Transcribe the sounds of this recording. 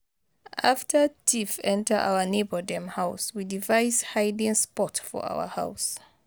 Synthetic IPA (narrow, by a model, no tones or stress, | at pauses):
ʔaftʰə˞tʰifɛ̃ntə˞ʔa̰ʊə˞nebə˞dɛ̃mhaʊswidivaɪshaɪdɪ̃ŋspɔtfɔ̰˞a̰wə̰ha̰ʊs